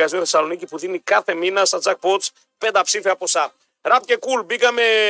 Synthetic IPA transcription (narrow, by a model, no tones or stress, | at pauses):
ɐzioθesɐlo̞nicipuðinikɐθe̞minɐst̪ɐt͡sɐk̚po̞t͡s | pend̪ɐpsifiɐpo̞sɐ | ɾɐpce̞kulbikɐme̞